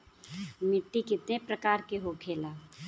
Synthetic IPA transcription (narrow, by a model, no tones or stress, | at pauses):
mɪʈːikɪt̪nepɾəkaːɾkeɦokʰeːlaː